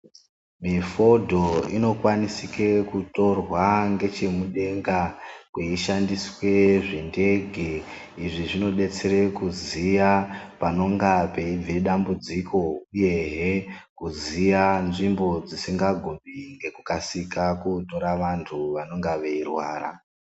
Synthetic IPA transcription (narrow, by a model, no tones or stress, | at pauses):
mifo̞dʱo̞ino̞kwanisike̞kuto̞rwaŋɡe̞t͡ʃe̞muɗe̞ŋɡakweiʃandiswe̞ʐinde̞ɡʱe | iʐiʐino̞ɗe̞t͡se̞ɾe̞kuzijapano̞ŋɡape̞ib͡vʱeɗambud͡ziko̞uje̞ɦekuzijanʐimbo̞d͡zisiŋɡaɡʱoɓiŋɡe̞kukasikakuto̞ɾaʋantʰuʋano̞ŋɡaʋe̞irwa̰ːɾa̰